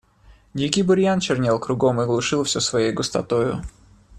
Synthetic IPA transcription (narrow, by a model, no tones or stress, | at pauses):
nʲikʲibʊɾʲjant͡ɕɪrnʲelˠkɾʊɡomɨɡlˠʊʂɨlˠfsʲosvɐjejɡʊst̪ɐ̰t̪ojʊ̰